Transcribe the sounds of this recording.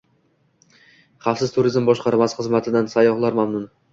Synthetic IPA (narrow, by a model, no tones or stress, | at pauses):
χafsɪzt̪ʰʊɾɪzmbɒʃqʰɑɾmasɨ̥χɨzmat̪ʰɪd̪ansajɒχlˠaɾmamnʊn